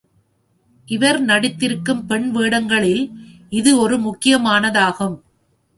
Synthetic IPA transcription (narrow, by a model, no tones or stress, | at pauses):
ʔɪʋɐɾnɐɽɪt̪ːɪɾɯkːɯmpɛɳʋeːɽɐŋɡɐɭɪl | ɪðɯɔɾɯmʊkːɪjɐmaːnɐðaːɣɯm